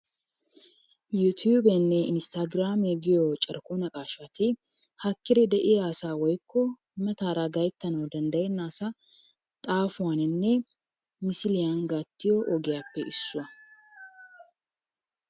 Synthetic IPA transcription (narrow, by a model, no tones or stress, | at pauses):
jut̪ʰjuːbɛnːɛɪnst̪aɡɾaːmɛɡɪjɔt͡ʃʼɐɾkonɐkʼaːʃat̪ɪ | hɐkːɪɾɛd̪ɛʔɪjaːsaːwɔjkːɔ | mɛt̪aːɾaɡɐjt̪ːɐnɐwd̪ɐnd̪ɐjɛnːaːsɐ | t̪ʼaːfʊwanɪnːɛ | mɪsɪlɪjanɡat̪ːɪjɔʔɔɡɪjaːpːɛʔɪsːʊwɐ